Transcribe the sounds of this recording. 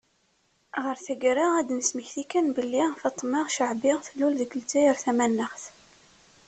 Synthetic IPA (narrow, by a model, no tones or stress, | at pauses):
ʁəɾθæɡɾaæd̪nəsməçθikænbəlːiʁθɑt̪ˤːmɑʁʃəʕbɪʁθəlːulðəɡəlt͡sæjəɾθæmænːəχθ